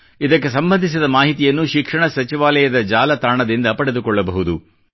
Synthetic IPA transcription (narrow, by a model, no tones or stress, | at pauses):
id̪ɐk̬ːe̞sɐmbɐnd̪ʱis̬id̪ɐmaːɦit̪ijɐnːuʃikʂɐɳɐsɐt͡ʃiʋaːlɛjɐd̪ɐd͡ʒaːlɐt̪aːɳɐd̪ind̪ɐpɐɽe̞d̪ukɔɭːɐbɐɦud̪u